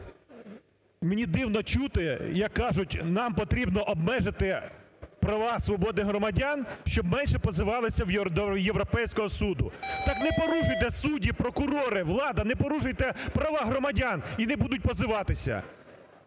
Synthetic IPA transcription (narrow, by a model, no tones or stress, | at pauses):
menʲid̪ɪwnɔt͡ʃut̪ɪjɐkːɑʒʊtʲnɑmpɔt̪ɾʲibnɔʔɔbmɛʒɪt̪ɪ | pɾɐʋɑsʋɔbɔd̪ɪɦɾɔmɐdʲɑnʃt͡ʃɔbmɛnʲʃɛpɔzɪʋɑlˠɪsʲɐwd̪ɔjeʋɾɔpɛjsʲkɔɦɔsud̪ʊt̪ɑknɛpɔɾuʒʊjt̪ɛsudʲipɾɔkʊɾɔɾɪʋlˠɑd̪ɐnɛpɔɾuʒʊjt̪ɛpɾɐʋɑɦɾɔmɐdʲaninɛbud̪ʊt̚ʲpɔzɪʋɑt̪ɪsʲɐ̰